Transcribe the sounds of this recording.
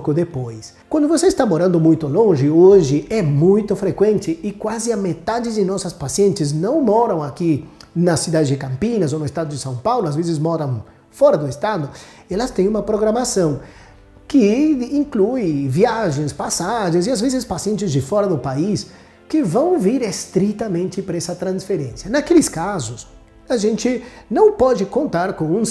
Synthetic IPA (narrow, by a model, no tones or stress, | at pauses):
kʊd̪epojs | kwɐ̃nd̪ʊvoseɪst̪amoɾɐ̃nd̪ʊmũjt̪ʊlõʒɪoʒɪʔɛmũjt̪ʊfɾekwẽnt̪ɪɪkwazɪɐmet̪ad͡ʒɪd̪ɪnɔsɐspasiẽnt̪ɪznɐ̃w̃mɔɾɐ̃w̃akinɐsːid̪ad̪ɪzd͡ʒɪkɐ̃mpinɐzonʊest̪ad̪ʊd̪ɪsɐ̃w̃pawlʊazvezɪzmɔɾɐ̃w̃ | fɔɾɐd̪ʊest̪ad̪ʊ | ɛlɐst̪ẽj̃ũmɐpɾoɡɾamasɐ̃w̃ | kɪĩŋkluɪviaʒẽj̃spasaʒẽzɪazvezɪspasiẽnt͡ʃɪzd͡ʒɪfɔɾɐd̪ʊpais | kɪvɐ̃w̃viɾest̪ɾit̪ɐmẽnt͡ʃɪpɾɛsɐt̪ɾɐ̃nsfeɾẽsiɐnakelɪskazʊs | aʒẽnt͡ʃɪnɐ̃w̃pɔd͡ʒɪkõnt̪aɾkõw̃ũs